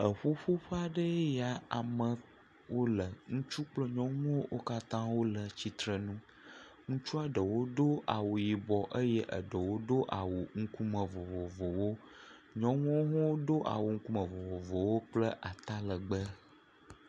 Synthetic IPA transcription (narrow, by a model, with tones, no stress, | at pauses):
ə˨ɸo˦ɸo˦ɸə˦a˨ɖə˦ja˨a˨mə̃˨ | wo˦lə˨ŋũ˦t͡ʃu˦k͡plə˦ɲɔ̃˦ŋũ˦wo˦wʔo˦ka˦t̪ã˦wo˦lə˨t͡ɕi˨t̪ɾə˨nũ˦ | ŋũ˦t͡ʃu˦a˦ɖə˨wo˦ɖ̪o˦ʔa˨wo˨ji˨bɔ˨ʔə˦jɛ˦ʔə̰˨ɖə˨wo˦ɖo˦ʔa̰˨wo˨ŋ̩˦ku˦mə˨vo˨vo˨vo˨wo˦ | ɲɔ̃˦ŋũ˦o˦ɦɔ̃˦wo˦d̪o˦ʔa̰˨wo˨ŋ̩˦ku˦mə̃˨vo˨vo˨vo˨wo˦k͡plə˦ʔa˨t̪a˦lə˨ɡ͡bə˦